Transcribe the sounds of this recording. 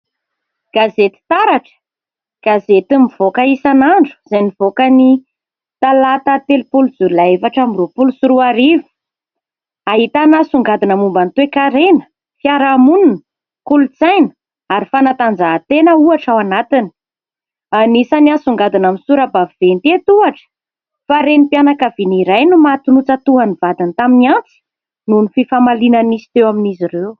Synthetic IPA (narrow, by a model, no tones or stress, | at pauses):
ɡ̥azet̪i̥t̪aɾaʈ͡ʂə̥ | ɡ̥azet̪imiv̥okəisanaɳɖ͡ʐu̥z̥ajniv̥okəni | t̪alat̪at̪elupulud͡zulaefaʈ͡ʂamirupulusuɾuaɾivi̥ | aɦit̪anasuŋɡad̪inəmumbant̪wekaɾenə̥ | fjaɾamununə | kulut͡sajnə̥ | aɾifanat̪and͡zaɦt̪enəuaʈ͡ʂawanat̪ini̥ | anisaniasuŋɡad̪inamisuɾabaviv̥ent̪et̪uaʈ͡ʂə̥ | faɾenipianakaviniɾajnumat̪unut͡sat̪uanivad̪int̪aminiant͡si̥ | nunififamalinənisi̥t̪ewaminizireu